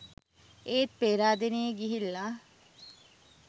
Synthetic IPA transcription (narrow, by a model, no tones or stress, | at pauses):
eːt̪̚peːɾaːd̪enejəɡiɦilːa